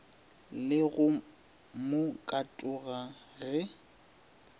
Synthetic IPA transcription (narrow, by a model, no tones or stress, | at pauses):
lɪɣʊ | mʊkʼatʼʊɣaɣɛ